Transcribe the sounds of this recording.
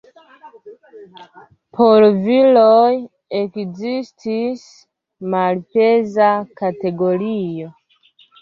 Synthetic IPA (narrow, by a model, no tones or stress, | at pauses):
pʰolviloj | ekzistʰis | malpezakate̞ɡolio̞